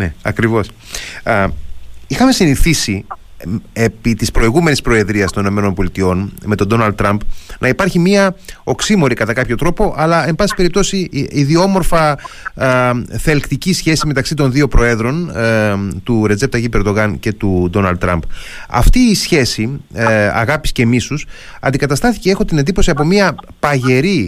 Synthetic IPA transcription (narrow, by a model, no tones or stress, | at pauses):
neɐkɾivo̞s | ixɐme̞siniθisi | e̞pit̪ispɾo̞iɣume̞nispɾo̞e̞ðɾiɐst̪o̞nino̞me̞no̞nbo̞lit̪io̞nme̞t̪o̞d̪o̞nɐld̪t̪ːɾɐmpnʔɐipɐɾçimiɐo̞ksimo̞ɾikɐt̪ɐkɐpço̞t̪ɾo̞po̞ʔɐlɐe̞mbɐsi̥pe̞ɾip̚t̪o̞siiðio̞mo̞ɾfɐ | θe̞lkt̪icisçe̞sime̞t̪ɐksit̪o̞nðio̞pɾo̞e̞ðɾo̞n | t̪uɾed͡ze̞p̚t̪ɐʝipeɾd̪o̞ɣɐnce̞t̪ud̪o̞nɐld̪ɾɐmpɐ̰ft̪iːsçe̞si | ɐ̰ɣɐpi̥sce̞misus | ɐ̰nd̪ikɐt̪ɐst̪ɐθiceexo̞t̪inend̪ipo̞siɐpo̞miɐ | pɐʝe̞ɾi